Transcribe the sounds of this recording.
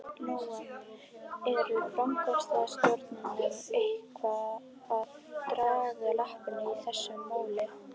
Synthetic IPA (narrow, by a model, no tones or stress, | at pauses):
nuːwan | ɛɾʏfɾamkʰɔst̪ast̪ɔɾt̪nɪŋaejkvaː | ð | t̪ɾaːɣalahpɪnːɪiθɛsːʏmːaːwlɪ